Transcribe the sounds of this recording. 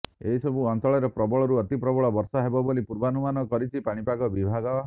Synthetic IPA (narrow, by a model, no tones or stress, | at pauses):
eɦisɔbuɔnt͡ʃɔɭɔɾepɾɔbɔɭɔɾuɔt̪ipɾɔbɔɭɔbɔɾsɔɦebɔbolipuɾbanumanɔkɔɾit͡ʃʰipaɽ̃ipakɔbibʱaɡɔ